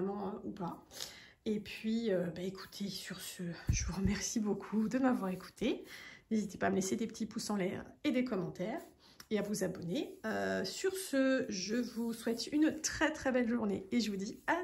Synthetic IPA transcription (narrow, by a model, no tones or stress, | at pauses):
mɑ̃øupa | epɥiøbaekʰu̥t̪ʰesyʁsəʒəvuʁəmɛʁsibokʰud̪əmavwaʁeku̥t̪ʰenezit̪e̥paːməlesed̪epə̥t̪it̪pusɑ̃lɛ̰ʁed̪ekɔmɑ̃t̪ɛːʁ | eavuzabɔneøsyʁsəʒəvuswɛt̪ynt̪χɛt̪χɛbɛlʒuʁneeʒəvud̪ia